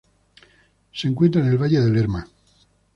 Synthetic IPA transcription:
seŋkwe̞nt̪ɾaene̞lβaʎeðe̞leɾma

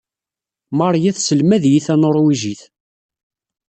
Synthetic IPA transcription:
mɑɾˤjæθsəlmæðjiθænoɾˤwiʒiθ

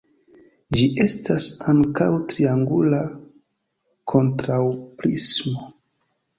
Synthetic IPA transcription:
d͡ʒiʔe̞stasaŋkawtɾiaŋɡula | kʰo̞ntɾawpɾismo

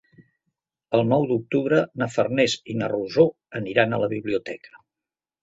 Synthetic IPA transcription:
əlˠnɔwd̪uk̚t̪uβɾənəfərnɛzinəruzo | əniɾanələβiβliut̪ɛkʰə̥

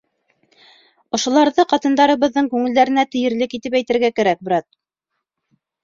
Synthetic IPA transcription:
ŏʃŏlˠɑɾðɤqɑt̪ɤ̆nd̪ɑɾɤ̆βɤ̆ðːɤŋkʉŋɘ̆ld̪æɾɘ̆næt̪ɘ̆jɘ̆ɾlɘkit̪ɘp̬æjt̪ɘ̆ɾɡækæɾæk̚bɾɑt̪̚

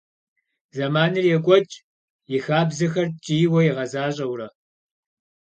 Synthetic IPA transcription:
zɐmaːnɨrjɛkʷʼɔt͡ʃʼ | jɪxaːbzɨxɐrt͡ʃʼiːwɐjɪʁɐzaːɕʼɐwrɐ

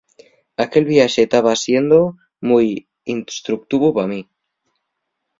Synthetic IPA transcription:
ake̞lβiaʃet̪aβasje̞nd̪o | muj | inst̪ɾuk̚t̪iβupami

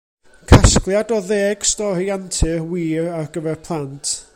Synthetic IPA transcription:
kʰasklˠjadɔðeːɡ̥stɔɾiantʰɨrwiːɾarɡəvɛrpʰlˠantʰ

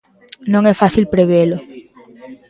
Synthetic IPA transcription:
nõŋɛfaθilpɾeβelo

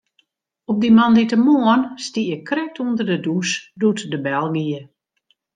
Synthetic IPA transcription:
ɔp̚dimanditəmoənstijəkrɛk̚tʰundərdədusdutdəbɛlˠɡiə

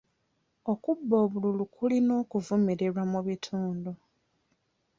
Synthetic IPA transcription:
okubːo̞ːβululukʰulino̞ːkuvumiɾeɾwamuβitʰuːndu

